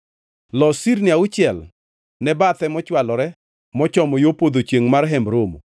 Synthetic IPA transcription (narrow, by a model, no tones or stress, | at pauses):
lɔsiɾnɪaʊt͡ʃɪɛl | nɛbat̪ɛmɔt͡ʃwalɔɾɛ | mɔt͡ʃɔmɔjopod̪ot͡ʃeŋmarɦɛmbɾomo